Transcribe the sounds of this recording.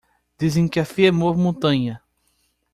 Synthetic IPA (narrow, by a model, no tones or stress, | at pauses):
d̪̥izẽj̃kɪɐfiɛmovmõt̪ɐ̃ɲɐ